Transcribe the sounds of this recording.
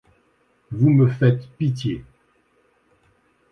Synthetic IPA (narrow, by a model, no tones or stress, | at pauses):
vuməfɛt̪pit̪je